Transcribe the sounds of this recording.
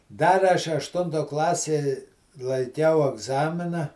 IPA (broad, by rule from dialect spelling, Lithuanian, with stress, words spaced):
ˈdɐr ɐʃ ɐʃˈtʊntoː ˈklˠɑːsʲeː lˠɐɪˈkʲɛʊ ɐɡˈzɑːmʲɪnɐ